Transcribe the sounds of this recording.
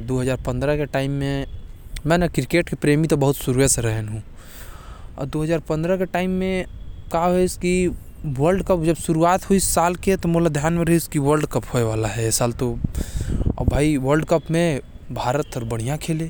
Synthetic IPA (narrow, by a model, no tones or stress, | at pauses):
d̪oːɦəzaːɾpə̃nd̪ɾəkeʈaːɪmːẽmɛ̃ːnakɾɪkeːʈkipɾeːmit̪obəɦʊt̪suɾeseɾəɦənɦũ | ɔ̰ɾd̪oːɦəzaːɾpə̃nd̪ɾəkeʈaːɪmːẽkaɦaɦoeski | ʋəlɖkəpd͡ʒɐbsʊɾuaːt̪ɦoisːaːlket̪omolad̪ʱjaːnmẽɾɐɦiskiʋəɾɖkəphoeʋaːlaɦɛsaːlt̪o | ɔ̰bʱaːiʋəɾlɖkəpmẽbʱaːɾət̪ɔːɾbəɽ̤̃ijãkʰeːle